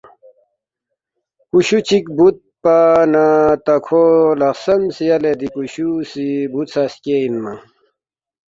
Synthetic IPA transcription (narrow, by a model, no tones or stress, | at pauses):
kuɕut͡ɕʰikbut̪̚panat̪ɐkʰolɐqsɐmsiɐled̪ikuɕusibut̪saskeinma